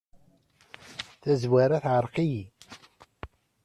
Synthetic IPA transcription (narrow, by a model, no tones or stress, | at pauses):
θæzwaɾaθʕəɾˤqiji